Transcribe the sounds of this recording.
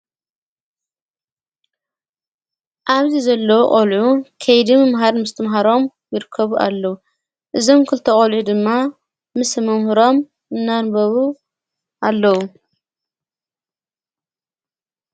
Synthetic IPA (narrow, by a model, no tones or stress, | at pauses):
ʔaβzizɐlːɐwχʼolʕukʰɐjd̪imɨmɦaɾmɨst̪ʰɨmɦaɾo̞m | jɪɾɨkʰːɐβuʔa̰lːɐwu | ʔɨzo̞mkʰɨlt̪ʰɐkʼolʕud̪ɨmːa | mɨsmɐmhuɾo̞m | ɨnːanbɐβu | ʔalːɐwu